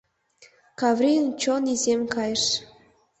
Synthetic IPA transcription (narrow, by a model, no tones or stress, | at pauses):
kɑvrʲint͡ɕonizemkɑjəʃ